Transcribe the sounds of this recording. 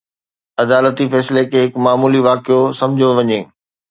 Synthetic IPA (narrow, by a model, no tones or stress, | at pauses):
ɐd̪aːlət̪ifɛːslekʰeɦɪkmaːmuːliʋaːkijosɐ̃md͡ʑʱjoʋɐɲeː